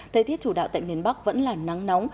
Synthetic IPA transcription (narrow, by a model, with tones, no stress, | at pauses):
t̪ʰəː˨˩jt̪i˦˥ət̚t͡ɕu˧˩ɗa̰ː˧˨t̪ːjmi˨˩ənɓa˦˥k̚və̰˧˥nlaː˨˩na˨˦ŋnɔ˨˦wŋ͡m